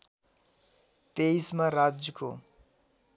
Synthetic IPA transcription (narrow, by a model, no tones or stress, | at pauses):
t̪ejsmaɾad͡zjʌko